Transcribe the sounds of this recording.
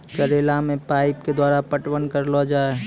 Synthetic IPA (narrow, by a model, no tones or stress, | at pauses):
kəɾeːlamẽpaːɪpked̪waːɾapəʈwənkəɾlɔd͡ʒaːe